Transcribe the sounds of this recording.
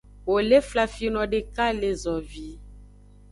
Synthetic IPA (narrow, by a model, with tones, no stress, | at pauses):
wo˨le˦fla˨fi˦nɔ̃˨ɖe˨ka˦le˨zɔ˨vi˨˦